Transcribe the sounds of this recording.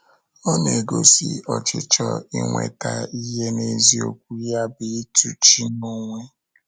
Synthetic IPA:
ɔ˦ne˨ɡo˦si˨ɔ˨t͡ʃɪ˨t͡ʃɔ˦i˦ŋʷḛ˨ta˨i˦ɦe˦ne˦zi˦o˦kʷu˦ja˦bɪ˨˦tu˦t͡ʃi˦no˦ŋʷe˦

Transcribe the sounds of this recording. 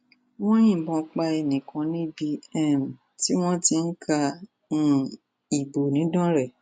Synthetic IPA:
w̃ɔ̃˦j̃ĩ˦˨bɔ̃˧˨k͡pa˧e˧˨nĩ˨kʰã˨˦nĩ˦bi˧ɛ˦˨m˨ | ti˦w̃ɔ̃˦ti˧n̩˦kʰã˧˦˨ | i˨bo˨nĩ˨˦dã˦ɾɛ˦˨

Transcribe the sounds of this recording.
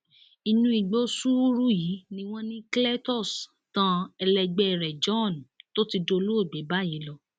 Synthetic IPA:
i˨nũ˧˦i˨ɡ͡bo˦su˦ɾu˦jiː˨˦nĩ˧w̃ɔ̃˦nĩ˦klɛ˦tɔ˦˨s | tã˧˦ɛ˧lɛ˧ɡ͡bɛ˦˨ɾɛ˨d͡ʒɔ̃˦˨nto˦ti˧do˧lo˦o˦˨ɡ͡be˨˦ba˦ji˨˦lɔ˦˨

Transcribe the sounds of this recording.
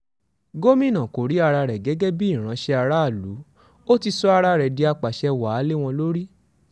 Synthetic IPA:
ɡo˦mĩ˦nã˨ko˨ɾi˨˦a˧ɾa˧ɾɛ˨ɡɛ˨˦ɡɛ˦bi˦i˦˨ɾ̃ã˨˦ʃɛ˧a˧ɾa˦˨lu˨˦ | o˦ti˧sɔ˦a˧ɾa˧˦ɾɛ˨di˧a˧k͡pa˨ʃɛ˧wa˨˦le˦w̃ɔ̃˧lo˦ɾi˦

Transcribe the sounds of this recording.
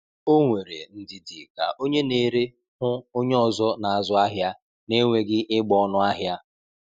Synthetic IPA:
o˦ŋʷe˨ɾḛ˨n̩˦dɪ˦dɪ˨ka̰˨ʔo˦ɲe˦ne˦ɾe˦ | hʊ˦o˦ɲe˦ɔ˨zɔ˦na˨a˨zʊ˦a˦ɦja˦ | ne˦ŋʷe˨ɡɪ˦ʔɪ˦ɡ͡bɔ˦ɔ˦nʊ˦a˦ɦja˦

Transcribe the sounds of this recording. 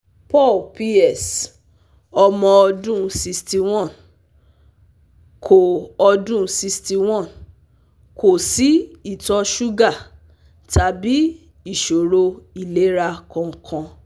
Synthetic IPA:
pɔ˦˨lpi˧˦ɛ˦˨s | ɔ˧mɔ̃˧ɔ˧dũ˦si˧sti˧w̃ɔ̃˦˨n | kʰo˨ɔ˧dũ˦si˧sti˧w̃ɔ̃˦˨n | kʰo˨si˨˦i˦˨tɔ˧ʃu˦ɡa˦˨ | ta˧˦bi˦ | i˦˨ʃo˨ɾo˧i˦˨le˨˦ɾa˧kã˧kʰã˧

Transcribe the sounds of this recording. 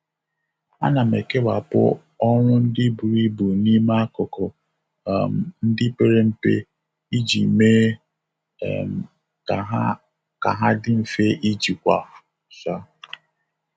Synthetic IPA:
a̰˦na˨me˨ke˦ba˨pʊ̰˦ | ɔ˦ŋʷʊ˦n̩˦dɪ˦bu˨ɾi˦bu˨ni˦ma˦kʊ˨kɔ˨ | m˨n̩˦dɪ˦pe˨ɾe˦m̩˨pḛ˦ | i˦d͡ʒi˨me˦˨ | m˨ | a˦ | ka̰˨ɦa˦dɪ˦m̩˨fe˦ʔi˦d͡ʒi˨kʷa˨ | sa˦

